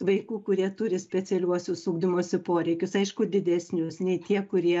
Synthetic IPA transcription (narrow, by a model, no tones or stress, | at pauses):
ʋɐɪkuːkʊɾʲiɛt̪ʊɾʲɪsʲpʲɛt͡s̪ʲɛlʲuɔsʲʊsuːɡd̪ʲɪmuɔsʲɪpoːɾʲɛɪkʲʊsɐɪʃkʊd̪ʲɪd̪ʲɛsʲnʲʊsnʲɛɪt̪ʲiɛkʊɾʲiɛ